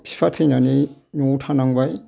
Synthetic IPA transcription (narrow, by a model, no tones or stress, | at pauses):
pʰi̥pʰatʰɯjnaninotʰanaŋbaj